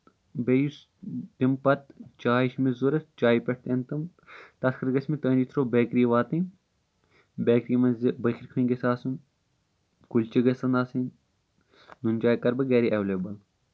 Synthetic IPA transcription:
bejus | t̪impɐt̪t͡ʃaːiʃmizuɾɐt͡ʃaːipʲɐʈ̚ʰt̪ent̪ɨm | t̪ɐskʰɐɾɡɐsʲmit̪ɐːnd͡ʒit̪ʰɾoːbeːkɾiːʋaːt̪i | beːkɾimɐzbɐkʰʲiɾkʰuiŋɡɐsaːsɨn | kulʲt͡ʃiɡɐsɐnaːsin | nunʲd͡ʒaːikɐɾbɐɡeːɾiʔeʋleːbɐl

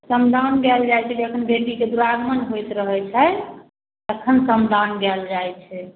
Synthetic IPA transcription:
səmd̪ʱanɡɛld͡ʒajt͡ʃʰɛd͡ʒiəkʰənbeʈiked̪uɾaɾmənɦojt̪ɾəɦɛt͡ʃʰɛ | əkʰənsəmd̪ʱanɡɛld͡ʒajt͡ʃʰɛ

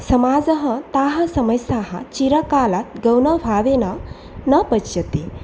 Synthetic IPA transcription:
sɐmaːd͡ʒɐɦɐ̆t̪aːɦɐ̆sɐmɐjsaːɦɐ̰t͡ʃiɾɐkaːlat̪̚ɡɐwnɐbʱaːʋeːnɐ | nɐpɐt͡ʃjɐt̪e

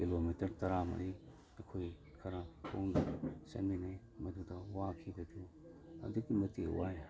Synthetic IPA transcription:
kilomitɐɾtɐɾamɐ̰ɾi | ɐkʰoj | kʰɐɾapʰo̰ŋdɐsɐ̰nbinaj | mɐdudɐwakʰibɐdu | ɐ̰duɡimɐtewaj

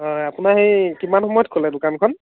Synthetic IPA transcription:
ɦɔjapunaɦejkimanxɔmɔjɔt̚kʰolɛdʊkankʰɔn

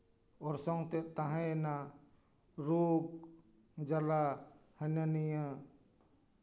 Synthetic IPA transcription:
ɔɾsɔŋt̪ɛʔt̪ãɦãna | ɾuɡ̚ | d͡ʒalahənənija

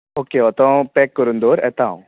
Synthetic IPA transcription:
oːkeɔɾt̪ɔpɛːkːəɾũnd̪oːɾɛ̰ːt̪aːɦṵ̃

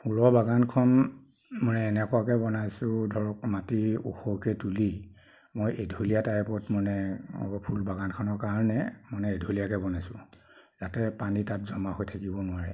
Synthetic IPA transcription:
pʰulɔbaɡankʰɔn | mɔnɛːnɛkʊakɛbɔnajsʊ̃dʱɔɹɔkmatiṵxɔkɛtuli | mojʔedʱolijataɛpɔtmɔnɛpʰulbaɡankʰɔnɔɹkaɹnɛmɔnɛedʱolijakɛbɔnajsʊ̃ | zatɛpanitatzɔmaɦojtʰakibɔnʊwaɹɛ

